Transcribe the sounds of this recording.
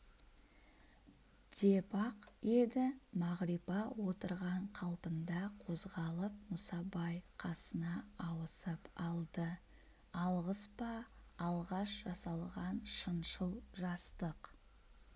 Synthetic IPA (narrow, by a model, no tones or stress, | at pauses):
d̪̥epɑqje̞d̪ɪmɑʁɾipɑwo̞t̪əɾʁɑɴqʰɑlˠpənd̪ɑqʰo̞zʁɑlˠəp̚mʊsɑbɑjqʰɑsənɑɑwəsəpɑlˠd̪ə | ɑlˠʁəspɑɑlˠʁɑʃʒɑsɑlˠʁɑnʃənʃəlˠʒɑst̪əq